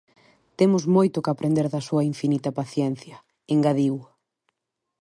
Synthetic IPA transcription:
t̪emʊzmojt̪ʊkapɾend̪eɾðɐsuɐiɱfinit̪ɐpaθjɛn̟θjɐ | eŋɡaðiw

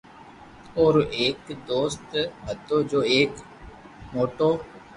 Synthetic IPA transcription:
oːɾeːkd̪oːst̪ɦət̪ːoːd͡ʒoːeːk | moːʈoː

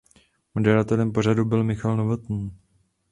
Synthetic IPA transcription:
modɛɾat̪ɛlɛmpo̞r̝adubɪlmɪxalnovot̪n̩

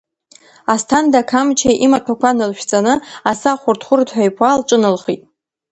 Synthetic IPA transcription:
astʰandakʰamt͡ʃʰeʔimatʰakʷʰanɨlʃᶣt͡sʼanɨasaχʷʊrtʰχʷʊrtʰħʷajpʰalʈ͡ʂʼɨnɨlχitʼ

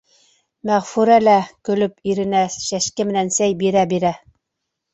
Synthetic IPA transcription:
mæʁfuɾælækɵ̆lɵpiɾɘ̆næʃæʃkɘmɘ̆nænsæjbiɾæbiɾæ

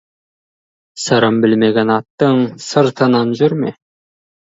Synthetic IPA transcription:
sɑɾɑmbɪlmeɡʲenɑt̪ːəŋsəɾt̪ʰɑnɑnʒʏɾmḛ

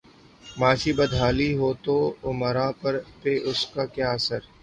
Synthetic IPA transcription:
maːʃibɐd̪ʱaːliɦoːt̪oʊməɾãːpɐɾpeʔʊskakjaːɐsəɾ

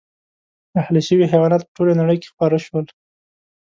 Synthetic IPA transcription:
ahliʃəwixawɑnat̪̚pəʈolanaɽəjke̥xpɑɾaʃwəl

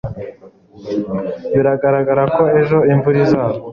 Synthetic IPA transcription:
βiɾaɡaɾaɡaɾako̞e̞ʒo̞iɱvuɾizaːβo

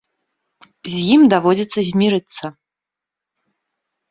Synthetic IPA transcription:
zʲjimd̪avɔd͡zʲit̪sːɐzʲmʲiɾɨt̪sːɐ

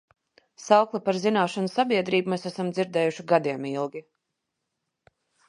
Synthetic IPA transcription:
sawklˠipaɾzinaːʃanusabiɛd̪ɾiːbumɛsæsamd̪ziɾd̪ɛːjuʃiɡad̪iɛmilˠɡʲi

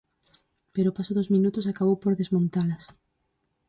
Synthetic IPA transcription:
peɾopasoðozmĩnut̪osakaβowpoɾðezmõnt̪alas

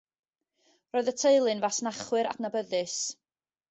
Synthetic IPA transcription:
roːɨðətʰeɨlˠɨnvasnaχwɨɾa̰dnabəðɨs

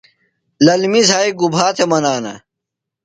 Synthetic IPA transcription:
lɐlmizaːiɡubʱaːt̪ʰemɐnaːnɐ̰

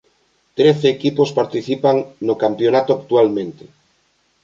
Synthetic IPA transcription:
t̪ɾeθeːkipospaɾt̪iθipaŋnokampjonat̪oak̚t̪ualmẽnt̪e

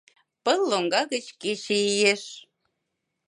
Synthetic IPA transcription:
pəlːoŋɡɑɣət͡ɕket͡ɕeijeʃ

